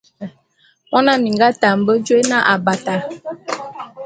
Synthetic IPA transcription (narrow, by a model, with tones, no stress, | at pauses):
mɔ˦na˦mi˨ŋɡa˦ta˨m̩˨bə˦d͡ʒwe˦na˦ʔa˨ba˨ta˨